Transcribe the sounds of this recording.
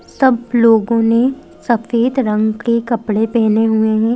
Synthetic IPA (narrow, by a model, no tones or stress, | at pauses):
sɐbloːɡõne | sɐfeːt̪ɾɐ̃ŋɡkekɐpɽepɛːneɦueɦɛ̃ː